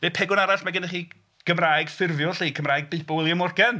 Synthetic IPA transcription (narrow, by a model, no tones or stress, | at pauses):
vepʰɛɡʊnaɾaɬmaɡɪnəχiː | ɡ̥əmraːɨɡ̥fɪrvjʊɬiːkʰəmraːɨɡ̚bɨbɔɪlˠjəmʊrɡɛn